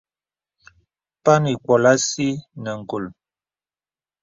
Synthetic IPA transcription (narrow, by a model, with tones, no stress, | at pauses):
pa˦ni˨kwɔ˨la˦si˦nə˨ŋ̩˨ko˨l